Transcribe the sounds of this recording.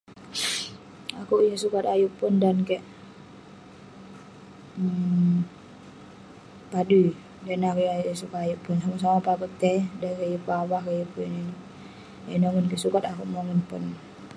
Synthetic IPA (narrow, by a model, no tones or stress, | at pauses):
akuʔjasukat̪ajuʔpundankɛʔ | padu | danakujjasukat̪ajuʔpunsamas̬amapakut̪ːɛdakajupawahkajupunani | enoŋənkɛʔsukat̪akuʔmoŋənpṵn